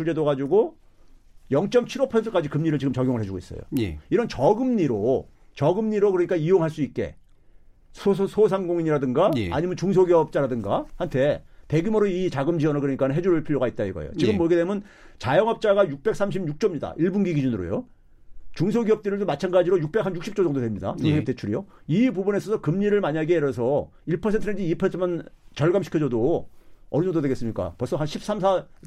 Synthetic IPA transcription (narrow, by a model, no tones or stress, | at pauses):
ud͡ʑe̞doɡad͡ʑuɡo | jʌŋt͡ɕ͈ʌmt͡ɕʰiɾʌpʰʌsʰentʰɯ̥k͈ad͡ʑikɯmɲiɾɯɭt͡ɕiɡɯmt͡ɕʌɡjoŋɭɦe̞d͡ʑuɡois͈ʌ̰jo̰eiɾʌnt͡ɕʌɡɯmɲiɾo | t͡ɕʌɡɯmɲiɾokɯɾʌɲik͈aijoŋɦaɭs͈uit̚k͈e̞̰ | sʰosʰos̬ʰamɡoŋiɲiɾadɯŋɡaa̰ɲimjʌnt͡ɕuŋs̬ʰoɡiʌp̚t͡ɕ͈aɾadɯŋɡa̰hantʰe̞te̞ɡimʌɾoit͡ɕaɡɯmd͡ʑiwʌnɯɭkɯɾʌɲik͈anɯnɦe̞d͡ʑuɾɯɭpʰiɾjoɡait̚t͈aiɡʌ̰jo̰t͡ɕiɡɯmːʌɡedemjʌn | t͡ɕajʌŋɦʌp̚t͡ɕ͈aɡajuk̚p͈e̞k̚s͈ʰamɕʰibjuk̚t͡ɕ͈ʌmɲida̰iɭbunɡiɡid͡ʑunɯɾo̰jo | t͡ɕuŋsʰoɡiʌp̚t͈ɯɾɯɭdomat͡ɕʰanɡad͡ʑiɾojuk̚p͈e̞k̚ɦanjuk̚ɕ͈ip̚t͡ɕ͈od͡ʑʌŋdodwemɲida̰usʰɕipt͈e̞t͡ɕʰuɾijoibubune̞sʰʌsʰʌkɯmɲiɾɯɭmaɲaɡeeɾʌsʰʌ | iɭpʰʌsʰe̞ntʰɯned͡ʑiipʰʌɯmant͡ɕʌɭɡamɕʰi̥kʰʌd͡ʑʌdo | ʌɾid͡ʑʌŋdodweɡe̞s͈ɯmɲik͈a̰pʌs͈ʰʌɦanɕʰip̚s͈ams̬ʰa